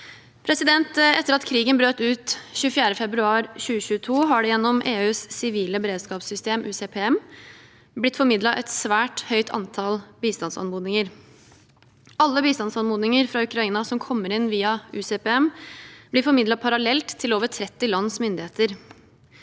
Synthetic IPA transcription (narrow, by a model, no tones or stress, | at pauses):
pʰɾɛsɪd̪ɛnt̪ɛt̪ːəɾɑt̪kʰɾiːɡənbɾøːt̪ʉːt̪ɕʉːfjæːɾəfɛbɾʉɑːɾɕʉːəɕʉːət̪ʰuːɦɑɖɛjɛnːɔmʔeːʉːssɪʋiːləbəɾeːd̪skɑːpsʏst̪eːmʔʉseːpʰeːɛm | blɪt̪fɔɾmɪd̪lɑʔɛt̪sʋæːʈhœʏt̪ʰɑ̰nt̪ʰɑlbiːst̪ɑnsɑ̰nmuːd̪nɪŋəɾ | ɑlːəbiːst̪ɑnsɑnmuːd̪nɪŋəɾfɾɑʉkʰɾɑiːnɑsɔmkʰɔmːəɾɪnːʋiːɑʉːseːpeːɛmb̥lɪɾfɔɾmɪd̪lɑpʰɑɾɑlɛlt̪ʰːɪloːʋətʰɾɛt̪ːɪlɑnsmʏnd̪ɪheːt̪əɾ